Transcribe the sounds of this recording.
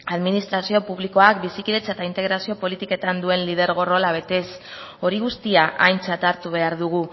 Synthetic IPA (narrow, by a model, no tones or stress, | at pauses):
aðminist̪ɾasio̞puβliko̞akbisikiðe̞t͡set̪aint̪e̞ɣɾasio̞po̞lit̪ike̞t̪and̪ue̞nlið̞e̞ɾɣ̞o̞ro̞laβ̞e̞t̪e̞s | o̞ɾiɣust̪iaʔa̰jnt͡sat̪aɾt̪uβ̞e̞aɾðuɣ̞u